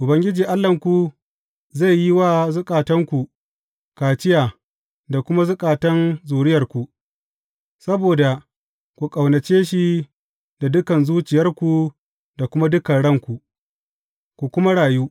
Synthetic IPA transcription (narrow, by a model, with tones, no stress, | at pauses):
ʔʊ˨bɐ˦ŋɡʲɪ˦d͡ʒiː˨ʔa˦lːɐ˨ŋkʷu˨ | za˦˨jːi˦waː˦zʊ˦kʼaː˨tɐ˦ŋkʷu˨ | kaː˨t͡ʃɪ˦jaː˨ | da˨kʷʊ˦ma˦zʊ˦kʼaː˨tɐ˦nzuː˨ɽɪ˦jɐ˨rkʷu˨ | sɐ˦boː˨da˨ | kʷu˨kʼa˨wnɐ˨t͡ʃeː˦ʃi˦ | da˨dʊ˦kɐ˨nzuː˦t͡ʃɪ˨jɐ˦rkʷu˨ | da˨kʷʊ˦ma˦dʊ˦kɐ˨nɽɐ˦˨ŋkʷu˨ | kʷu˨kʷʊ˦ma˦ɽaː˨juː˦